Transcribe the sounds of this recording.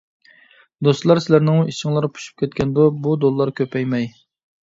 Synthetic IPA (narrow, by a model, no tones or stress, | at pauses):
d̪ost̪lˠɑɾsɪlæɾnɪŋiʃɪŋlˠɑɾpʰu̥ʃy̥p̚kʲɛt̪̚kʲʰɛnd̪obud̪olˠːɑɾkʲʰøpʰɛjmɛj